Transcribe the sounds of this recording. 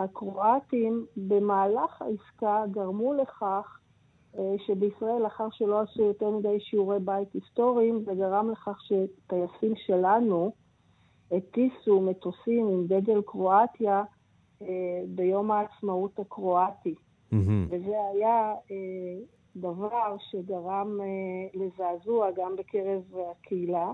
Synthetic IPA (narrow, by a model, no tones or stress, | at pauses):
hakʁo̞atimbe̞maːlaχa̰iskaɡaʁmule̞χaχ | ʃebeisʁae̞laχaʁʃelo̞asujo̞teʁmidejʃiuʁe̞jbaitisto̞ʁiimzeɡaʁamle̞χaχʃe̞tajasimʃe̞lanu | etisume̞tosimimɡe̞ɡe̞lkʁo̞atja | ebe̞jo̞maːt͡smautakʁo̞ati | veze̞ajae | d̪avaʁʃe̞ɡaʁamlezaːzuaɡambekʰe̞ʁevakʰeila